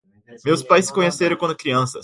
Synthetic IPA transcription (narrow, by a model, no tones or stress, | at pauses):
meːwspɐjskoɲɐseɾəkonəkriɐnsə̰s